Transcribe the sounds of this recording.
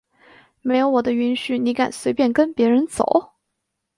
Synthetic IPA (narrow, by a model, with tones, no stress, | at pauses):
me˥ɪjo˧˥ʊwɔ˨˩d̪ə˦y˧˥nɕy˨˩ni˧˥ka˨˩nswe˧˥ɪpjɛ˥˩nkə˥npjɛ˧˥ɻə˧˥nt͡so̰˨˩˦ʊ